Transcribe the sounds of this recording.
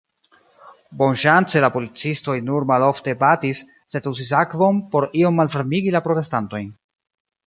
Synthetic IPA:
bo̞nʃant͡se̞lapo̞lit͡sisto̞jnuɾmalo̞fte̞batisː | e̞tus̬is̬akvo̞npo̞ɾio̞mːalfeɾmiɡilapɾo̞te̞stanto̞jn

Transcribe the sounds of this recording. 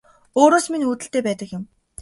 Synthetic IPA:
oːɾoːsminuːt̪ɘ̆ɬt̪eːpæːt̪ə̆kjɪ̆m

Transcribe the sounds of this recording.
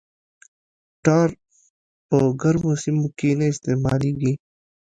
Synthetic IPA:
ʈaːɾ | pəɡɐɾmusimukiːneɪst̪eːma̰ːliːɡiː

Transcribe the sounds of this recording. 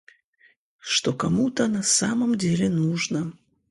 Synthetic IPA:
ʂt̪okɐmut̪ənɐsaməmdʲelʲɪnuʐnə

